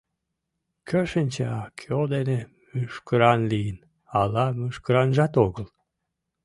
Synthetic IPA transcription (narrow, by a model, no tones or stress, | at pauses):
kʰøʃənʲt͡ɕeɑkʰod̪ene | myʃkəɾɑnlijən | ɑlɑmyʃkəɾɑnʒɑt̪oɣəl